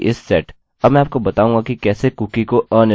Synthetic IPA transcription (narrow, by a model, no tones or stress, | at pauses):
ʔɪsːɛːʈ | ɐbmɛ̃aːp̚kobɐt̪aːũːŋɡakikɛːsekuːkikoʔə̃ːn